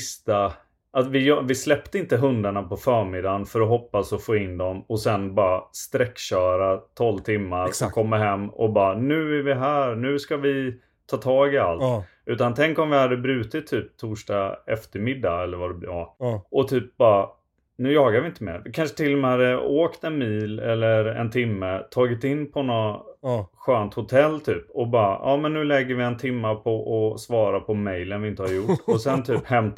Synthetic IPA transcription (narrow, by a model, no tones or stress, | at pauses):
st̪a | at̪vɪjɑvɪslɛp̚t̪əɪnt̪əɦɵnd̪aɳapɔfœːɾmɪd̪anfœɾɔɦɔpːasɔfoːɪnd̪ɔmɔsɛnbɑːɾast̪ɾɛkːɕœːɾat̪ʰɔlvt̪ʰɪmːaɾsɔkʰɔmːaɦɛmːɔ̰bɑːnʉ̟ːæɾvɪɦæːɾnʉ̟ːskavɪ | t̪ʰɑːt̪ʰɑːɡɪalt̪ | ʉ̟ːt̪ant̪ʰɛŋkɔmvɪhad̪ːəbɾʉ̟ːt̪ɪt̪ʰːyːp̚t̪ʰuːʂʈɑɛft̪əɾmɪd̪ːaɛlːəɾvaɖɛblːʔɔt̪ʰyːp̚bɑːɾa | nʉ̟ːjɑːɡaɾvɪɪnt̪əmḛːɾvɪkʰanʂə̥t̪ʰɪlːɔmeːɾəoːkt̪ɛnmiːlɛ̰lːəɾɛ̰nt̪ʰɪmːət̪ʰɑːɡɪt̪ɪnːpʰɔnɔ | ɧøːnt̪hʊt̪ʰɛlːt̪ʰyːpɔbɑːɾa̰ʔɑːmɛnːʉ̟ːlɛɡːəɾvɪɛnt̪ʰɪmːapʰɔʔɔsvɑːɾapʰɔmɛjlənvɪɪnt̪əhaɾjʊʈːɔsɛnt̪ʰyːphɛmt̪